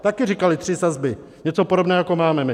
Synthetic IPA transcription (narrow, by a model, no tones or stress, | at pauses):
t̪akɪrikalɪt̪r̥ɪsazbɪ | ɲɛt͡so̞podobnɛːojako̞maːmɛmɪ